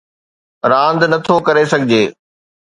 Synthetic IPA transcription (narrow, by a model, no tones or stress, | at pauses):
ɾãːnd̪nɐt̪ʰokɐɾesɐɡʱɪd͡ʑeː